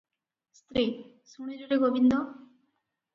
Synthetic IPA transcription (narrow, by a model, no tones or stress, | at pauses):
st̪ɾi | suɽ̃id͡ʒuʈeɡobind̪o